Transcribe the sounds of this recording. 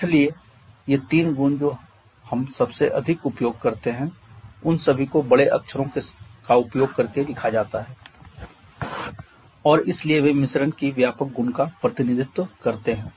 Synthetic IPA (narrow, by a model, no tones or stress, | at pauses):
ɪslie | jet̪iːnɡʊnd͡ʒoː | hɐmsɐbseʔɐd̪ʱɪkʊpjoːɡ̚kɐɾt̪eɦɛ̃ʊnsɐbʱikobɐɽeʔɐ̰kʃʰəɾõkekaʊpjoːɡ̚kɐɾked̪ɪkʰad͡ʒaːt̪aɦɛː | ɔːɾɪslieʋemɪsɾənkiʋjaːpək̚ɡʊnkapɾɐt̪ɪnɪd̪ʱɪt̪wəkɐɾt̪eɦɛ̃ː